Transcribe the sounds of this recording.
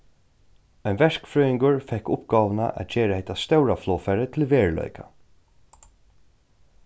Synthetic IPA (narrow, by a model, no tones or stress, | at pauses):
œjnʋɛʂkfɾœːɪŋɡʊɹfɛhkʊpɡɑːʋna̰ʔæ̰t̪d͡ʒeːɾahɛht̪ast̪œwɾaflɔːfaɾət̪ʰɪlʋeːɹlœ̰ʏkʰa